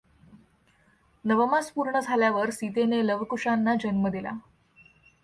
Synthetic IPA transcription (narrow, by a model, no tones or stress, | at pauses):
nəʋəmaspuɾɳəd͡zʱaljaʋəɾsit̪eneləʋkuʂanːad͡ʑənməd̪ila̰